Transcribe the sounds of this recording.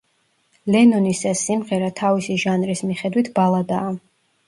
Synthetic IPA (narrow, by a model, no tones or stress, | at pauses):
lɛnɔnisasimʁɛɾat̪ʰavisiʒanɾismiχɛd̪wit̪ʰb̥alˠad̪aː